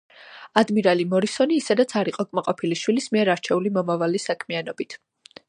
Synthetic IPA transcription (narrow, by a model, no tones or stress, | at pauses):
ad̪miɾalimɔɾisɔniːsɛd̪at̪sʰaɾiqʼɔkʼmaqʼɔpʰiliʃwilismiɛɾaɾt͡ʃʰɛulimɔmavalisakʰmian̪ɔbit̪ʰ